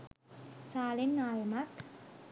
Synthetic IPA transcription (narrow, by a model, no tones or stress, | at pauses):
saːlenːaːjəmak̪